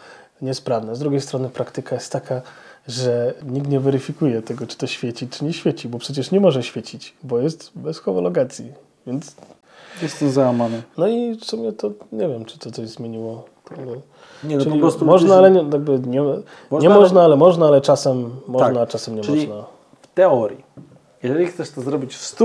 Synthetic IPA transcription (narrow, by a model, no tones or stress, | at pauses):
ɲɛspɾavnazd̪ɾuɡʲejst̪ɾɔnɘpɾakt̪ɘkajɛst̪ːakʰaʐɛɲikt̪ɲɛvɛɾɘfʲikujɛt̪ɛɡɔt͡ʂɨ̥t̪ɔɕfʲjet͡ɕit͡ʂɘɲɛɕfʲjet͡ɕibɔpʂɛt͡ɕɛʂɲɛmɔʐɛɕfʲjet͡ɕit͡ɕbɔjɛst̪bɛsxɔmɔlɔɡat̪sʲji | vʲjɛnt̪s | jɛst̪ɛmzawamanɨnɔifsumʲɲɛt̪ɔɲɛvʲjɛmt͡ʂɨ̥t̪ɔt̪sɔʑzmʲjeɲiwɔ | t̪abɛ | ɲɛnt͡ʂɔɘlʲipɾɔst̪umɔʐnaalɛɲɛjaɡ̚bɘɲɛ | ɲɛmɔʐnaalɛmɔʐnaalɛt͡ʂasɛmːɔnat͡ʂasɛmɲɛmɔlʲiʐina | ft̪ɛɔɾʲji | jɛʐɛlʲixt̪sɛʂt̪ɔzɾɔbʲit͡ɕfst̪u